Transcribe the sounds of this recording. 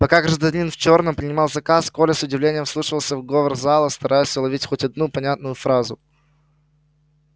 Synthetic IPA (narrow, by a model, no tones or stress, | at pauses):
pɐkaɡɾəʐd̪ɐnʲinft͡ɕo̞rnəmpɾʲɪnʲɪmɑlˠzɐkaskolʲɪsʊdʲɪvlʲenʲɪjəmslˠuʂɨvəlˠsʲəvɡo̞vərzalˠəst̪ɐɾʔajʊsʲlˠɐvʲitʲxotʲɐd̪nupɐnʲat̪nʊjʊfɾazʊ